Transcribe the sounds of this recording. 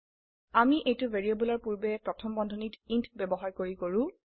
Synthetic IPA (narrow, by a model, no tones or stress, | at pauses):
amiʔejtʊvʱeɹiebulɔɹpuɹbɛpɹɔtʰɔmbɔndʱɔnitintʰbɛbɔɦaɹkoɹikoɹʊ̃